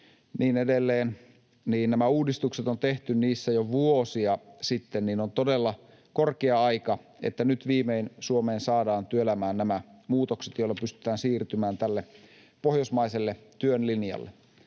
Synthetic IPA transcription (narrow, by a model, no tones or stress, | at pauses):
niːnedelːeːn | niːnnæmæuːdist̪ukset̪ont̪eht̪ynniːsːæjoʋuosiɑsit̪ːenniːnont̪odelːɑ | korkeɑɑikɑ | ḛt̪ːænyt̪ʋiːmeinsuomeːnsɑːdɑːnt̪yøelæmæːnnæmæmuːt̪okset̪joilːɑpyst̪y̥t̪ˑæːnsiːrt̪ymæːnt̪ælːe | pohjosmɑiselːet̪yønlinjɑ̰lːe